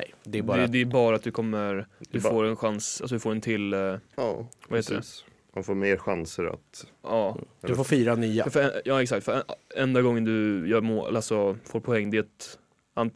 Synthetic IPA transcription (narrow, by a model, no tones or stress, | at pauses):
ɛd̪ɛd̪ɛd̪ɛæɾbɑːɾat̪̚d̪ɵkʰɔmːəɾd̪ɵfoːɾɛnɧansals̬ɔd̪ɵfoːɾɛnt̪ʰɪlː | vaheːt̪ədɛ̰ | manfoːɾmeːɾɧansəɾa̰t̪ɑːfoːfiːɾanyːafœɾɛjɑːɛksakt̪fœɾɛɛnd̪aɡɔŋːənd̪ɵjɑmo̰ːalsɔfoːɾpʰɔɛŋːd̪ɪt̪ | an